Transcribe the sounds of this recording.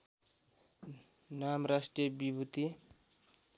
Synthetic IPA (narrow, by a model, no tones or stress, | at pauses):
namrasʈrijʌbibʱut̪i